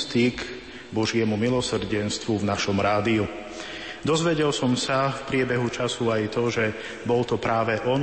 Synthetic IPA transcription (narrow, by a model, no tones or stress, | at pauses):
st̪iɡ | bɔʒɪɛmumilɔsr̩ɟɛnst̪ʋuvnaʃɔmɾaːd̪iu | d̪ɔzʋɛɟɛlsɔmsafpɾɪɛbɛɦut͡ʃasuajt̪ɔʒɛ | bɔlt̪ɔpɾaːʋɛʔɔn